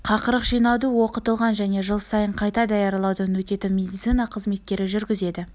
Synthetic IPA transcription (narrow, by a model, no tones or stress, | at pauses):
qʰɑqəɾəqʒijnɑwd̪əwo̞qət̪əlˠʁɑnʒæne̞ʒəlˠsɑjəɴqʰɑjt̪ɑd̪ɑjɑɾlˠɑwd̪ənɵt̪e̞t̪ɪmʲe̞d̪ijt̪sɨjnɑqʰəzme̞t̪̚kʲe̞ɾɪʒʏɾɡʲɪze̞d̪ɪ